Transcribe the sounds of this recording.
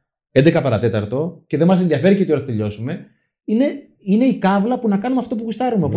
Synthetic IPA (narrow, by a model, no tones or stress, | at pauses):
end̪e̞kɐpɐɾɐt̪e̞t̪ɐɾt̪o̞ce̞ðemɐs̬enðiɐfe̞ɾicet̪ioɾθt̪eʎo̞sume̞ | ine̞ | ine̞ikɐvlɐpunɐkɐnumeɐft̪opuɣust̪ɐɾumeop